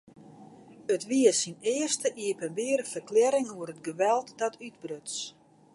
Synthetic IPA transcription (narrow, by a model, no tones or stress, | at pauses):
ətʋiəsinɪərstəʔiəpənʋɪərəfərklɛɾɪŋuəɾətɡəʋɛlˠtdɔtʰydbrøts